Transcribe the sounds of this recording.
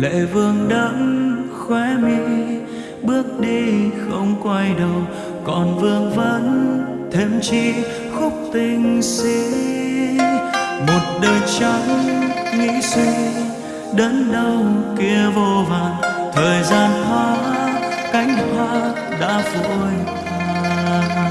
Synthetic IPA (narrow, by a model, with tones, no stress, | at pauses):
lḛ˧˨vɨ˧əŋɗə˧˦ŋ | xwɛ˨˦mi˧ | ɓɨ˦˥ək̚ɗi˧xə˧wŋ͡mkwa˧jɗə˨˩w | kɔ˨˩nvɨ˧əŋvə˧˦n | t̪ʰe˧mt͡ɕi˧˥ | xʊ˦˥k͡p̚t̪ï˧˩ŋ̟si˧˦ | mo˨˩t̚ɗəː˨˩jt͡ɕa˨˧˦ŋ͡mŋḭ˧˥si˧˥ | ɗəː˨˦nɗə˧wki˧əvo˧vaː˨˩ŋt̪ʰəː˨˩jzaː˧nɦwaː˨˦ka˨˦jŋ̟hwaː˧˦ | ɗa̰ː˧˥fṵ˧˩jt̪ʰaː˧